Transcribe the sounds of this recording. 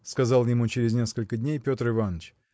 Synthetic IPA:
skɐzɑlˠjɪmut͡ɕɪɾʲɪzʲnʲe̞skəlʲkədʲnʲejpʲo̞t̪rɨvanət͡ɕ

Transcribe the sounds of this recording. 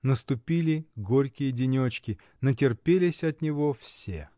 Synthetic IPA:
nəst̪ʊpʲilʲɪɡoɾʲkʲɪjədʲɪnʲot͡ɕkʲɪ | nətʲɪrpʲelʲɪsʲɐt̪nʲɪvo̞fsʲḛ

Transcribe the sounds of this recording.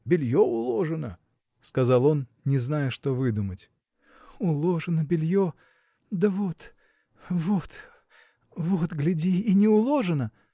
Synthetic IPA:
bʲɪlʲjoʊlˠoʐɨnə̰ | skɐzɑlˠo̞nnʲɪznajəʂt̪o̞vɨd̪ʊmətʲ | ʊlˠoʐɨnəbʲɪlʲjo | d̪əvot̪ | vot̪ | vot̪ɡlʲɪdʲiːnʲɪʊlˠo̞ʐɨnə

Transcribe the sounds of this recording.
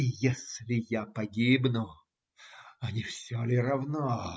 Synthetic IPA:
ijesʲlʲɪjapɐɡʲibnʊ | ɐnʲɪfsʲalʲɪɾɐvna

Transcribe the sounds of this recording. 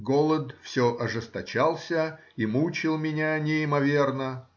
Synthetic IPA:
ɡolˠəd̪fsʲoʔɐʐɨst̪ɐt͡ɕalˠsʲə | imut͡ɕɪlˠmʲɪnʲanʲɪɪmɐvʲe̞rnə

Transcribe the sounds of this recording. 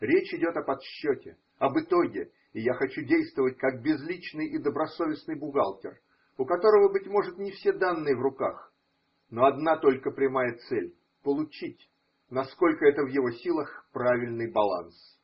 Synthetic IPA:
ɾʲet͡ɕɪdʲo̞t̪ɐpɐt̪ɕːotʲɪ | ɐbɨt̪o̞ɡʲɪ | ɪjaxɐt͡ɕudʲejst̪vəvətʲkak̚bʲɪzlʲit͡ɕnɨjʔid̪əbɾɐso̞vʲɪsnɨjbʊɡalˠtʲɪ̰r | ʊkɐt̪o̞ɾəvəbɨtʲmo̞ʐɨt̪nʲɪfsʲe̞d̪anːɨjəvrʊkax | no̞ɐd̪nat̪o̞lʲkəpɾʲɪmajət̪sɛlʲ | pəlˠʊt͡ɕitʲ | nɐsko̞lʲkəɛt̪əvjɪvo̞sʲilˠəxpɾavʲɪlʲnɨjbɐlˠa̰ns

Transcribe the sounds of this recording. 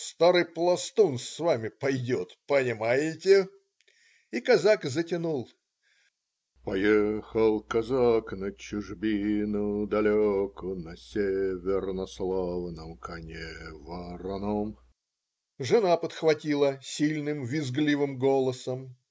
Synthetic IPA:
st̪aɾɨjplˠɐst̪unsvamʲɪpɐjdʲot̪pənʲɪmajɪtʲɪ | ikɐzakzətʲɪnulˠ | pɐjexəlˠkɐzaknət͡ɕʊʐbʲinʊjd̪ɐlʲokʊnɐsʲevʲɪrnɐslˠavnəmkɐnʲevɐɾɐnom | ʐɨnapət̪xvɐtʲilˠəsʲilʲnɨmvʲɪzɡlʲivɨmɡolˠəsəm

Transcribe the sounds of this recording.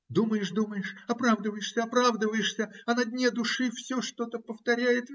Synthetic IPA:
d̪uməjɪʂd̪uməjɪʂɐpɾavd̪əvəjɪʂsʲəɐpɾavd̪əvəjɪʂsʲəɐnɐd̪ʲnʲed̪ʊʂɨfsʲoʂt̪o̞t̪əpəft̪ɐɾʲæjɪt̪

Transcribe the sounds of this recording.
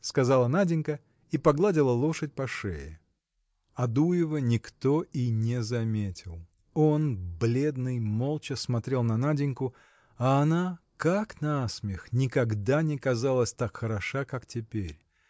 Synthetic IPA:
skɐzalˠənadʲɪnʲkə | ipɐɡlˠadʲɪlˠəlˠo̞ʂət̚ʲpɐʂɛ̰ɪ̰ | ɐd̪ujɪvənʲɪkt̪o̞inʲɪzɐmʲetʲɪlˠ | o̞nblʲe̞d̪nɨjmo̞lˠt͡ɕəsmɐt̪ɾʲe̞lˠnɐnadʲɪnʲkʊ | ɐːna | kaknasmʲɪxnʲɪkɐɡd̪anʲɪkɐzalˠəsʲt̪akxəɾɐʂakaktʲɪpʲeɾʲ

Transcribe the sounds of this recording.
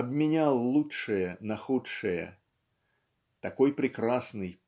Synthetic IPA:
ɐbmʲɪnʲalˠlˠutʂɨjənɐxutʂɨjə̰ | t̪ɐko̞jpɾʲɪkɾasnɨj

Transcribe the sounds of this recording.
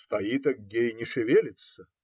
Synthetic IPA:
st̪ɐjit̪ɐɡ̚ɡʲejnʲɪʂɨvʲelʲɪt̪sə

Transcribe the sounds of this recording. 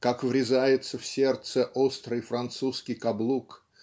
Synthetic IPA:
kakvɾʲɪzajɪt̪səfsʲe̞rt̪səʔost̪ɾɨjfɾɐnt̪suskʲɪjkɐblˠuk

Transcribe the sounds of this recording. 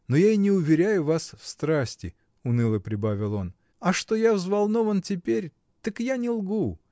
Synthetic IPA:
nojainʲɪʊvʲɪɾʲæjʊvasfst̪ɾasʲtʲɪ | ʊnɨlˠəpɾʲɪbavʲɪlˠo̞n | ɐʂt̪o̞javzvalˠno̞vəntʲɪpʲeɾʲ | t̪əkjanʲɪlˠɡu

